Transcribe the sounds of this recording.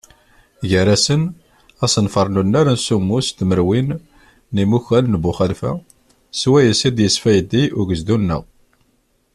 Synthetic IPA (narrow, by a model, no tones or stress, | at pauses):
ʝəɾæsən | æsənfəɾˤnunːæɾənsumːust̪məɾwinː | imuçælnbuχəlfæ̰ | swæjəsid̪jəsfæjəd̪ːiʊʝəzd̪unːə̰ʁ